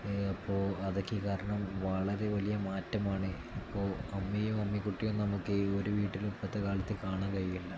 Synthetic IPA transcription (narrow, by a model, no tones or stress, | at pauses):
ɐpːo̞ːɐðokʲːɨkaːɾɐɳɐmʋɐɭɐɾe̞ʋɐlijɐmaːtːɐmaːɳɨ | ɐpːo̞ːɐmːijumɐmːikuʈːijonnɐmukːɨo̞ɾuʋiːʈːilupːɐt̪ːekaːlɐt̪ːɨkaːɳaːnkɐjjilːɐ